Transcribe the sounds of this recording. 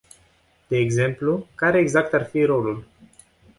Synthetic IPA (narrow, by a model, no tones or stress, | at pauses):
d̪̥e̞ːɡze̞mplukaɾe̞ːɡzak̚t̪arfiɾo̞lul